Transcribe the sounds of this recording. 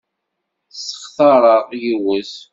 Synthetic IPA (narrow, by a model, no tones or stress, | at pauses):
sːə̥χθɑɾˤəʁjiwəs